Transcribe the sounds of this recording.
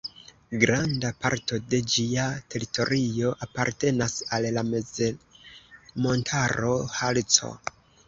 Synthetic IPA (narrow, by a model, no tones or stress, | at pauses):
ɡɾandapa̰ɾto̞de̞d͡ʒiate̞ɾito̞ɾio̞ʔapaɾte̞nasallameze | mo̞ntʰaɾo̞halt͡so̞̰